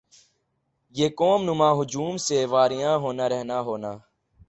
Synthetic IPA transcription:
jeːkoːmnʊmãːɦʊd͡ʒuːmseːʋaːɾɪjãːɦoːnaːɾɛɦnaːɦoːnaː

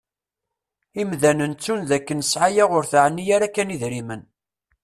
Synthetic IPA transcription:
imðænənt͡sːunðækːənəsʕajaʁʊɾθaʕənːijaɾakːæniðɾimən

